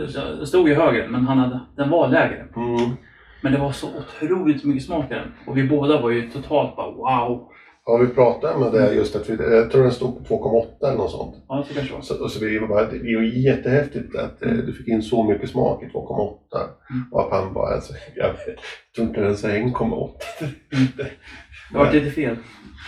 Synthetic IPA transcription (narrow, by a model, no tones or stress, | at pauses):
st̪uːɡjəɦøːɡəmɛnɦanhad̪əd̪̥ɛnvalɛːɡɾə̰ | mɛnd̪ɛvaɾʂɔʔʊt̪ʰɾuːlɪt̪mʏkːəsmɑːkaɾɛ̰nɔvɪboːd̪avaɾjɵt̪ʰʊt̪ʰɑːlt̪̚bɑ̰waʊ | vavɪpʰɾɑːt̪amɛd̪ɛæɾjɵst̪at̪vɪjɑt̪ʰɾuːɾd̪ɛnst̪uːɡ̪̚pʰɔt̪ʰvoːkʰɔmːaɔt̪ːaɛlɛnɔt̪sɔ̰nt̪sɔɔsɔvɪvabɑːɾad̪ɛd̪ɪajɛt̪ːəhɛft̪ɪt̪a̰t̪d̪ɵfɪkːɪnːsɔmʏkːəsmɑ̰ːkɪt̪ʰvo̰ːkʰɔmːaɔt̪ːa̰ɔa̰p̪ʰanbɑ̰ːɾa̰sɔjɑ̰t̪ʰɾɵnk̪ːaɛnsɛɛnːkʰɔmːa̰ɔ̰t̪ːḁd̥̪ɛ | aɪt̪əfeːl